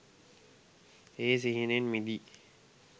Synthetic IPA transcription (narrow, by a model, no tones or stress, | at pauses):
eːs̬iɦinenmid̪i